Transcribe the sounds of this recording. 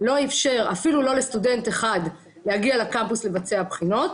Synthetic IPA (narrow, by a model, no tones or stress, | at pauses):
lo̞ifʃe̞ʁa̰filulo̞le̞st̪ude̞nteχad | le̞haɡialakampusle̞vat͡se̞abχino̞t̪